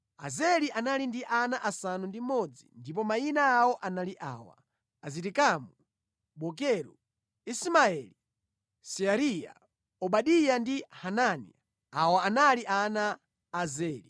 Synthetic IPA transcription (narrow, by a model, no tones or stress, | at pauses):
a̰zɛliʔanalindiʔanaʔasanundimɔd͡zḭndip̬ɔmainaːwɔʔanaliʔa̰ːwa̰ | azitikamu | ɓɔk̬ɛɾṵ | ismaɛli | siaɾija̰ | ɔɓaɗijandihananḭ | awaːnaliʔanaː | zɛːli